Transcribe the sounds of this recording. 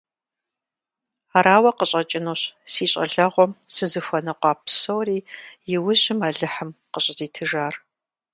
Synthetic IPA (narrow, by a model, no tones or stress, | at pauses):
aːɾaːwɐqəɕʼɐt͡ʃʼɪnoːɕsiːɕʼɐ̰ɮɐʁʷɔmsɨzɨfʷɔnɨqʷɑːpʰsoːriːjɪwʊʑɪmaːɮɨħəmqəɕʼziːtʰɨʒaːr